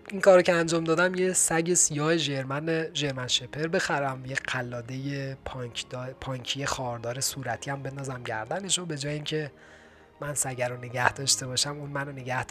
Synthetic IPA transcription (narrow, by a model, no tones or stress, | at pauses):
iŋkʰɒːɾocʰeænd͡ʒɒːmd̪ɒːd̪æmjesæɟesijɒːheʒeɾmæneʒe̞ɾmænʃepʰeɾbe̞xæɾæmjeqʰælːɒːd̪e̞jepʰd̪pʰɒːɲcʰijexɒːɾd̪ɒːɾe̞suːɾæt̪ʰiːæmbe̞nd̪ɒːzæmɟæɾd̪æneʃobe̞d͡ʒɒːjeiːŋcʰe̞ | mænsæɟæɾone̞ɟæhd̪ɒːʃt̪e̞bɒːʃæmuːnmænone̞ɟæhd̪